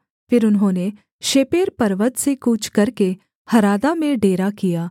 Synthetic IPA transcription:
fɪɾʊnɦõːne | ʃeːpeːɾpɐɾʋət̪sekuːt͡ʃʰkɐɾke | hɐɾaːd̪amẽɖeːɾakijaː

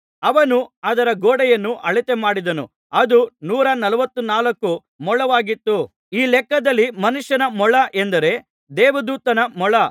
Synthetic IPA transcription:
ɐʋɐnuɐd̪ɐɾɐɡoːɽɛjɐnːuʔɐɭit̪emaːɽid̪ɐnṵ | ɐd̪unuːɾɐnɐlɐʋɐt̪ːunaːlɐkːu | mɔɭɐʋaːɡit̪ːu | iːlɛkːɐd̪ɐlːimɐnuʂjɐnɐmɔɭɐʔend̪ɐɾe̞ | d̪ɛːʋɐd̪uːt̪ɐnɐmɔɭɐ

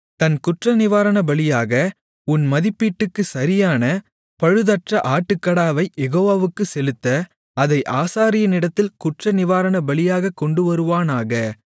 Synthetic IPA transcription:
t̪ɐnkʊʈrɐnɪʋaːɾɐnɐbɐɭɪjaːɣɐ | ʊnmɐðɪpːiːʈːɯkːɯsɐɾɪjaːnɐ | pɐɻɯðɐʈrɐʔaːʈːɯkːɐɽaːʋɐɪjɛɣoːʋaːʋɯkːɯsɛlɯt̪ːɐ | ɐðɐɪʔaːsaːɾɪjɐnɪɽɐt̪ːɪlkʊʈrɐnɪʋaːɾɐnɐbɐɭɪjaːɣɐkɔɳɖɯʋɐɾɯʋaːnaːɣɐ

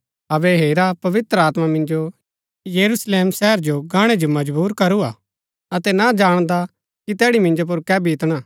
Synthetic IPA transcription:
ɐbɛɦeːɾapɐʋɪt̪ɾəaːt̪mamɪ̃nd͡ʒo | jɐɾusleːmsɛɦəɾd͡ʒoɡaːɽ̃ed͡ʒomɐd͡ʒbuːɾkɐɾuaː | ɐt̪ɛnad͡ʒaːɽ̃d̪a | kit̪ɛːɽimɪ̃nd͡ʒop̬ʊɾkɛːbʱiːt̪ɽ̃aː

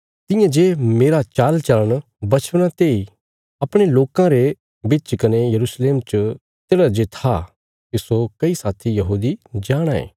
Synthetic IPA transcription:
t̪ɪ̃jãd͡ʒeːmeːɾat͡ʃaːlt͡ʃɐləɽ̃ | bɐt͡ʃʰʋnãt̪eːi | ɐpɽ̃eloːkãɾe | bit͡ʃkɐnejɐɾuːsleːmt͡ʃə | t̪eːɽad͡ʒet̪ʰa | kisokɐisaːt̪ʰijɐɦuːd̪id͡ʒaːɽ̃aḛː

